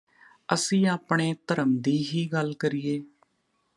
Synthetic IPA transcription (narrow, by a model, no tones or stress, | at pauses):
əsĩːaːpɳeːt̪əɾəmd̪iːɦiːɡəlkəɾiːeː